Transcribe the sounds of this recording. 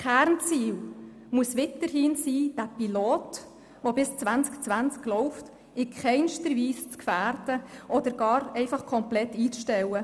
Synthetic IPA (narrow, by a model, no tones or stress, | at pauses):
kæːɾnt͡siːl | muəsʋɪtəɾhiːnsiːd̥æpiloːt | ʋobɪst͡sʋænt͡skt͡sʋænt͡sklɔʊft | ɪkχɛɪnʃtəɾʋiːst͡skfæːɾd̥əʔɔd̥̪əɾɡ̥ɑːɾɛɪfɑχkʰɔmplɛtːiːt͡sʃtɛwə